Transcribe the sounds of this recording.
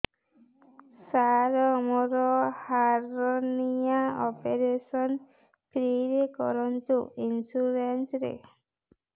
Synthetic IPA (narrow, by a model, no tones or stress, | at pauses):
saɾɔmɔɾɔhaɾonijaɔpeɾeʃɔn | pɾiɾekɔ̰ɾɔnt̪uinsuɾensɾḛ